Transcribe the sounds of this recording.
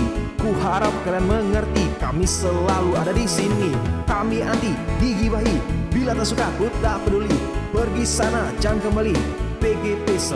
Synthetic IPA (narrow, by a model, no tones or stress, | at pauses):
kuɦaɾap̚kaɾanməŋərt̪ikamisəlaluadadisinikamiant̪idiɡibaɦibilat̪əsukakut̪̚ɾapədolibərɡisanad͡ʒankəmbalipeɡepes